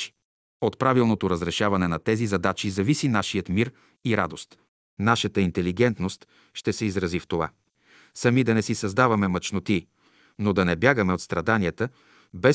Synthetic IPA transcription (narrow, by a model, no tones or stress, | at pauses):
i̥ | ot̪pɾavilˠnot̪oɾəzɾɛʃavɐnɛnɐt̪ɛzizɐd̪at͡ʃizɐvisinaʃiət̪miɾ | iɾa̰d̪ost̪ | naʃət̪əint̪ɛliɡɛnt̪nost̪ | ʃt̪ɛsɛizɾɐzift̪ova̰ | sɐmid̪ɐnɛsisɐzd̪avɐmɛmɐt͡ʃnot̪i | nod̪ɐnɛbjaɡəmɛot̪st̪ɾɐd̪aniət̪ə | bɛ